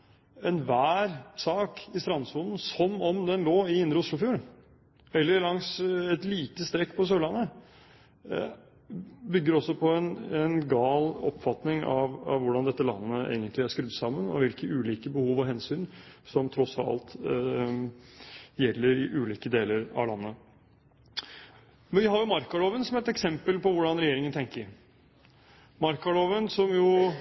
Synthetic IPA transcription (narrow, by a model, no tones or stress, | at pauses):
ɛnʋæːɾsɑːkɪst̪ɾɑnsuːnn̩sɔmɔmd̪ɛnloːɪɪnd̪ɾəʊʂlʊfjuːɾ | ɛlːəɾlɑŋsɛt̪liːt̪əst̪ɾɛkːpʰɔs̬øːlɑnːə | bʏɡːəɾɔsːɔpʰɔɛnɛnɡɑːlɔ̰pːfɑt̪nɪŋɑʋɑ̰ʋʋʊɖɑnd̪ɛt̪ːəlɑ̰nːəḛːɡənt̪lɪæʂkɾʉd̪ːət̪sɑmːənɔ̰ʋɪlkəʔʉːliːkəbəhuːʋɔɦɛnsyːnsɔmt̪ʰɾɔsɑ̰lt̪ | jɛlːəɾɪʔʉːliːkəd̪eːləɾɑ̰ʋlɑnːə | mɛʋɪhɑɾjʊmɑɾkɑloːʋənsɔmæɾɛt̪ɛksɛmpəlpɔʋʊɖɑnɾɛjeːɾɪŋənt̪ʰɛŋkəɾ | mɑɾkɑloːʋənsɔmjʊ